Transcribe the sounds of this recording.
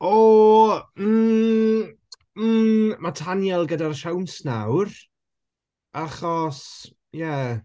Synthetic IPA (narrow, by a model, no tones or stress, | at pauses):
ɔ | m̩ | matʰanjɛlˠɡədaɾəʃawnsnawr | aχɔs | jɛ